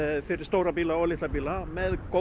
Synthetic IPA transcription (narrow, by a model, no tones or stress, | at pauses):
fɪɾɪ̥ɾst̪oːwɾapiːlaɔlɪht̪lapiːlamɛðko